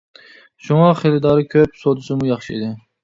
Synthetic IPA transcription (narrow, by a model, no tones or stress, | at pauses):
ʃuŋɑχelˠɪd̪ɑɾɨkʲʰøpsod̪ɪʃɪmʊjɑχʃɪḭd̪ɪ